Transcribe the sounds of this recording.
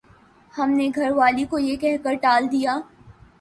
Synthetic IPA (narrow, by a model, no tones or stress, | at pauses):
hɐmneɡʱɐɾʋaːlikojekɛɦkəɾʈaːld̪ijaː